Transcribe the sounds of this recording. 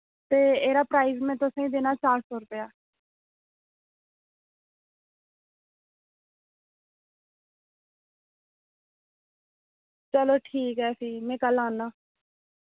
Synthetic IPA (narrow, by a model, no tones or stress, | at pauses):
t̪eːeːɾaːpɾaːiːzmɛ̃ːt̪ʊsãːĩːd̪eːnaːt͡ʃaːɾsɔːɾʊpeaː | t͡ʃəloːʈʰiːkɦɛːsiːmɛ̃ːkəlãːnːaː